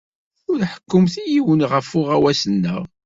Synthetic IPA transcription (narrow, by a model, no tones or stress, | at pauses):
ʊɾħə̥kːəmθjiwənʁəfʊʁæwæsənːə̰ʁ